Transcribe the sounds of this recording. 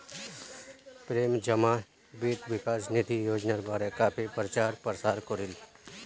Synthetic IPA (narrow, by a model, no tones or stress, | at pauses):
pɾeːmd͡ʒəmã | bit̪ʋɪkaːsnit̪ijoːd͡ʒnaɾbaːɾekaːpʰipɾət͡ʃaːɾpɾəsaːɾkoɾil